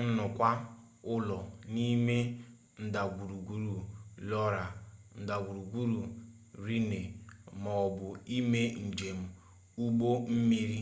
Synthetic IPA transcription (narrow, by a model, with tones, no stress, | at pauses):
n̩˦nʊ˨kʷa˦ | ʊ˦lɔ˨ni˦me˦ | n̩˦˨da˨ɡʷu˨ɾu˨ɡʷu˦ɾu˨lɔ˦ɾa˨n̩˨da˨ɡʷu˨ɾu˨ɡʷu˦ɾu˨ | ɾi˦ne˨mɔ˨ɔ˨bʊ˨i˦me˦n̩˨d͡ʒe˨m̩˨ | u˦ɡ͡bo˦m̩˦mi˦ɾi˦